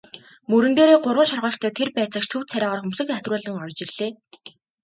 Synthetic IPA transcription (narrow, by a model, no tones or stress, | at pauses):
mɵɾɘ̆nd̪eːɾeːɢʊrʁə̆t͡ɕʃɔrʁɔːɬt̪ʰæːt̪ʰerpæːt͡sə̆ʃt̪ʰɵw̥t̪t͡sʰæɾʲaːʁɔːrxɵmsɘ̆kæt̪rʊːɮə̆ŋɔrt͡ɕɪrɮ̥eː